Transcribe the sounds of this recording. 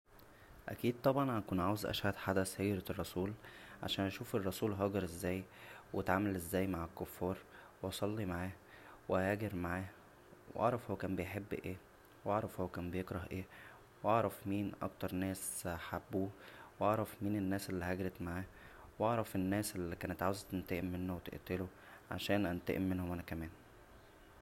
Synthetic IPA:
ʔæ̰kiːd̪̚t̪ˤɑbʕɑnænækuːnʕaːwezʔæ̰ʃhæd̪ħad̪æshæjɾrˤːɑsˤuːlʕa̰ʃæːnʔæʃuːferˤːɑsuːlɦɑːɡɑɾˤʔezːæːjwet̪ʕaːmælʔezːæːjmaʕelkːofːɑːɾˤweʔɑsˤɑlːimaʕaːh | whæːɡeɾmaʕaːh | wʔɑ̰ʕɾˤɑfhowækæːmbejħebːʔeː | wʔɑʕɾˤɑfhowækæːmbejekɾˤɑhʔeː | wʔɑʕɾˤɑfmiːnʔɑ̰kt̪ɑɾˤnæːsħabːuːwʔɑʕɾˤɑfmiːnenːæːselːihæɡɾet̪maʕaːhwɑʕɾˤɑfenːæːselːikæːnet̪ʕaːwezt̪ent̪eʔemːenːowet̪ḛʔt̪elo | ʕa̰ʃæːnʔænt̪ḛʔemːenhomʔænækæmæːn

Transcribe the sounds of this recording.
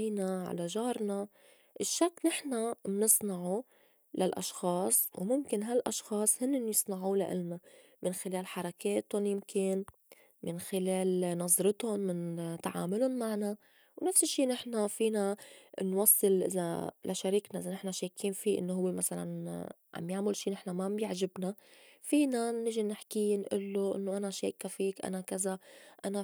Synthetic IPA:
ijnaʕa̰laʒɑːɾˤna | ʔɪʃːakːnɪħnamnɨsˤnɑʕu | lalʔɑ̰ʃxɑːsˤwmʊmkɪnɦalʔɑʃxɑːsˤhɪnːɪnjɨsˤnɑʕuːlaʔɪ̰lnamɪnxɪleːlħɑɾˤɑkeːt̪ʊnjɪmkɪn | mɪnxɪleːlnɑzˤɾɨt̪ʊnmɪnt̪aʕa̰ːmʊlʊnmaʕna | wnafsɪʃːiːnɪħnafiːnanwɑsˤːɨlʔɪ̰za̰lʔaʃaɾiːknaʔɪzanɪħnaʃeːkʰiːnfiːʔɪ̰nːoɦʊwːemasala̰n | ʕa̰mjaʕmʊlʃiːnɪħnamabjɪʕʒɪbnafiːnanɪʒinɪħkiːnʔɪ̰lːoʔɪ̰nːoʔanaʃeːkafiːkʔa̰nakazaʔana

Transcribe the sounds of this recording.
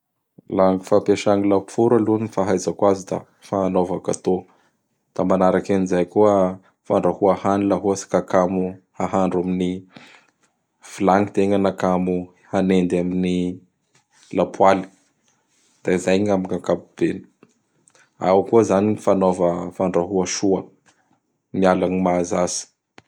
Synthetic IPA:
laŋifapeʃaŋilapfuɾalunnifaɦajzakwazid̪a̰ | fanovakat̪o | d̪̥amanaɾakanizajkuə | faɳɖ͡ʐahuahanilaɦuasi̥kakamuhaɦaɳɖ͡ʐamini | filaŋit̪eŋanakamu | hanend̪amini | lapʰwali̥ | d̪̥aizajɲamikakapub̥eni̥ | awkuəzaniifanovəfaɳɖ͡ʐaɦuaʃuə | mialanimazasi̥

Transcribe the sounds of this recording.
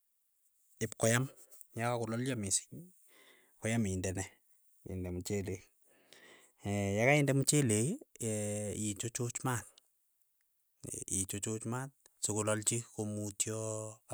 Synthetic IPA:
ɪp̚kɔjam | jakakʊlɔljamɪsɪ̥ɲ | kɔjamɪndɛnɛ | ɪ̰ndɛmut͡ʃele | ɛjakaɪndɛmut͡ʃele | it͡ʃot͡ʃʊt͡ʃmat̚ | it͡ʃot͡ʃʊt͡ʃmat̚ | sukʊlɔlt͡ʃikomutjɔ

